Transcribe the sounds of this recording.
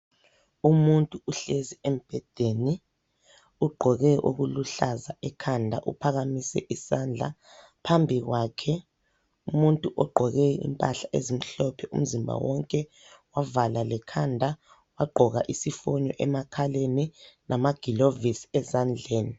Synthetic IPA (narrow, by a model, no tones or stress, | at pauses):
umuntʼuuɬeziem̩b̥ʱɛd̥ʱeni | uɡ͡ǃʱɔɣɛʔo̰ɣuluɬazaʔɛkʰandʱa̰ʔṵpʰaɣamisɛ̰ʔisand͡ɮʱa̰ | pʰambʱiɣwakʰɛ | umuntʼuʔɔɡ͡ǃʱɔɣɛḭmpʼaɬaʔezim̩ɬɔpʰɛʔum̩zimbʱa̰wɔŋkʼɛ | wavalalɛkʰandʱa | waɡ͡ǃʱɔɣaʔisifɔɲɔʔɛmakʰaleninʔamaɡ̥ʱilovisɛzand͡ɮʱeːni